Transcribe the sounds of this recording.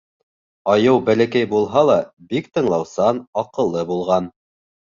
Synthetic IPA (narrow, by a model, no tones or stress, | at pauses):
ɑjɤwbælækæjbulˠɦɑlˠɑbikt̪ɤ̆ɴlˠɑwsɑnɑqɤ̆lˠːɤbulˠʁɑn